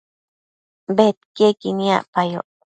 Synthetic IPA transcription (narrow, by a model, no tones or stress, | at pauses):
bet̪kekinĩa̰ʔpajo̰ʔ